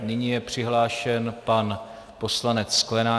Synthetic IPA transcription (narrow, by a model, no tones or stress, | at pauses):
nɪɲijɛpr̝̥ɪɦlaːʃɛnpan | po̞slanɛt͡ssklɛnaː